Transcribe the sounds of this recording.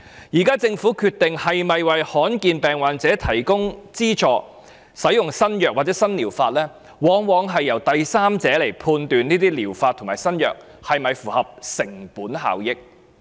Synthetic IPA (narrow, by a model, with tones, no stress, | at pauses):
jiː˨˩kaː˥t͡sɪ˧ŋfuː˨˥kʰyː˧t̪ːɪ˨ŋhɐ˨jmɐ˨jwɐ˨jhɔː˨˥nkiː˧npɛː˨ŋwaː˨˧nt͡sɛː˨˥t̪ʰɐ˨˩jkʊ˥ŋt͡siː˥t͡ʃɔː˧ | sɐ˨˥jʊ˨ŋsɐ˥njœː˨k̚waː˨t̚t͡sɛː˨˥sɐ˥nliː˨˩wfaː˧t̚lɛː˥ | wɔː˨˥ŋwɔː˨˧ŋɦɐ˨jːɐ˨˩wt̪ɐ˨jsaː˥mt͡sɛː˨˥le˨˩jpʰuː˧nt̪yː˨nniː˥t̪iː˥liː˨˩wfaː˧t̪ʰʊ˨˩maː˨jsɐ˥njœː˨˩k̚hɐ˨jmɐ˨jfuː˨˩hɐ˨p̚sɪ˨˩ŋpuː˨˥nɦa̰ː˨wjɪ˥k̚